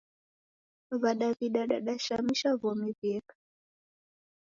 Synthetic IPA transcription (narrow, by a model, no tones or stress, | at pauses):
βaɗaβiɗaɗa̰ɗaʃamiʃavɔmivjɛkḁ